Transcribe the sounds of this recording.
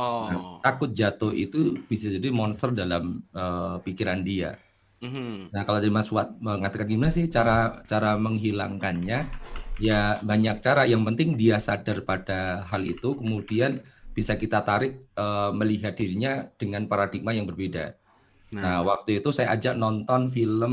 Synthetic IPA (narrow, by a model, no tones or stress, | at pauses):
nat̪akʊt̪̚d͡ʒat̪ʊhḭt̪ub̥isad͡ʒadimɔnst̪ərdalaməpikiɾandia̰ | nakalod͡ʒadimasuat̪̚əŋat̪akanɡimnasɪht͡ʃaɾat͡ʃaɾaməŋɦila̰ŋkanɲajabaɲak̚t͡ʃaɾajaŋpənt̪ɪŋdiasadarpadaɦalḭt̪ukəmudianb̥isakit̪at̪aɾɪk̚əməliɦat̪̚diɾiɲad̥əŋanpaɾadik̚majaŋbərbeda̰ | nawak̚t̪uit̪usajaʔːd͡ʒaʔ̚nɔnt̪ɔnfiləm